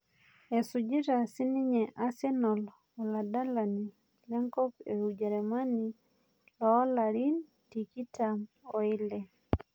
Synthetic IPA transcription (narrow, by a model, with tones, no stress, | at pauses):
e˨sud͡ʒi˦ɾa˨si˦ni˦ɲɛʔa˦sɛ˦nɔ˨l | ɔla˨da˦lani | lɛ˦ŋkɔ˦keud͡ʒɛɾɛma˦ni | lɔɔ˦laɾi˦n | tiki˦tʰamɔ˨i˦lɛ